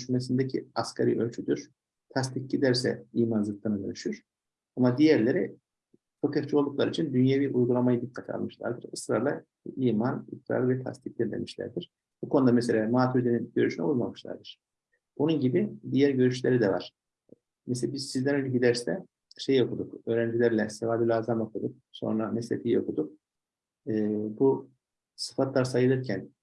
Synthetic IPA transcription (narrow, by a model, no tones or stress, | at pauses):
d̪yʃymɛsind̪ɛcʰḭaskʰaɾḭølʲt͡ʃʰyd̪yɾ̥ | t̪ʰast̪ʰiccʲid̪æɾsɛ̰iːmanzɯt̪lˠɯnɯd̪ø̰nyʃyɾ̥ | amad̪ijæɾlʲeɾi | fokʰaft͡ʃio̞lˠd̪uklˠaɾit͡ʃʰind̪ynjaviːʔujɡulˠamajid̪ikʰːat̪ʰia̰lˠmɯʃlˠa̰ɾd̪ɯɾɯsɾaɾlˠa | iːmanḭtɾa̰lvɛt̪ʰa̰st̪ic̚lʲiɾd̪ḛmiʃlʲæ̰ɾd̪iɾ̥ | bukʰo̞nud̪amɛselʲaːmaːt̪ʰud̪eninɟø̞ɾyʃynɛ̰ujmamɯʃlˠa̰ɾd̪ɯɾ̥ | bununɟibid̪ijæɾɟø̞ɾyʃlʲeɾid̪ɛva̰ɾ̥ | mes̬elʲbizsizd̪ænølʲɛɟid̪æɾsɛ | ʃejo̞kʰud̪ukø̞ːɾænd͡ʒilʲæɾlʲɛsevaːd̪ylʲaːzamokʰud̪uk̚so̞̰nɾamɛslʲɛ̰t̪ʰijio̞kʰud̪uk̚ | ɯːbu | sɯ̥fat̪lˠaɾsajɯlˠɯɾcʰæn